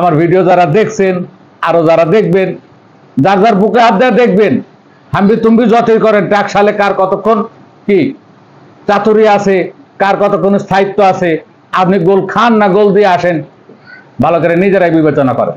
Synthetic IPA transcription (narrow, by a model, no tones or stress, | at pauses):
amaɾbʱiɖiod͡ʑaɾad̪ekʰsʰen | aɾod͡ʑaɾad̪ek̚ʰben | d͡ʑaɾd͡ʑaɾbukeɦad̪ːead̪ek̚ʰben | hambit̪umbid͡ʑɔt̪iɾkɔɾenʈakʃalekaɾkɔt̪okʰːon | ki | t͡ɕat̪uɾiasʰekaɾkɔt̪okʰːonst̪ʰait̪ːoasʰe | apniɡolkʰanːaɡold̪ieaʃen | bʱalok̬aɾenid͡ʑeɾajbibet͡ɕonakɔ̰ɾḛn